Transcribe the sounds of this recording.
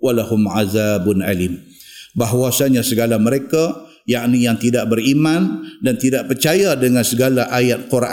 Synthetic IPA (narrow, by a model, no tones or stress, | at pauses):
walahʊmʕaðabʊna̰lim | baɦwasaɲasəɡalaməɾeka | jaʔnijaŋt̪idaʔ̚bəɾimandant̪idaʔ̚pərt͡ʃajadəŋansəɡalaʔajat̪̚kurʔa